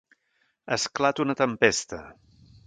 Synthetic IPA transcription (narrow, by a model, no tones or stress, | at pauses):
əsklat̪unət̪əmpest̪ə